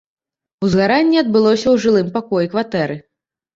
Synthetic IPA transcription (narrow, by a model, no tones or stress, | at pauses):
uzɣaɾanʲːiɐd̪̚bɨlˠɔsʲɐwʐɨlˠɨmpakɔjikvat̪ɛɾɨ